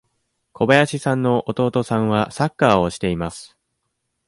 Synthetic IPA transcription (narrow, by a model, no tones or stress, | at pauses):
kʰo̞bajaɕisãnːo̞ʔot̪o̞ːt̪o̞sãɰ̃βasakːaːo̞ɕi̥t̪e̞imasɨ̥